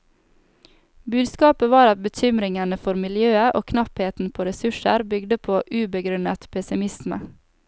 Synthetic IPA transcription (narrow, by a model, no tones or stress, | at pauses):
bʉːd̪skɑːpəʋɑːɾɑt̪̚bəc͡çʏmɾɪŋənəfɔɾmɪljøːəʔoːkʰnɑpheːt̪n̩pʰoːɾɛsʉʃə̰ɾbʏɡd̪əpʰoːʔʉːbəɡɾʉnət̪pʰɛsɪmɪsmə̰